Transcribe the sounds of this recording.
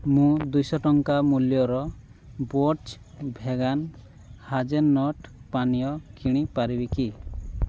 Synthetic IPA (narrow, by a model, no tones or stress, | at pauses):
mũd̪ujsɔʈɔŋkamuljɔɾɔ | bot͡ʃ | bʱeɡan | had͡ʒenːɔʈpanijɔkʰiɽ̃ipaɾibiki